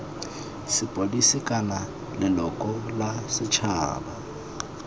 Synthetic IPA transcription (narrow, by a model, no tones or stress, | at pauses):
sɪpʼodisɪkʼana | lɪlɔkʼɔlasɪt͡ʃʰa̰ːba̰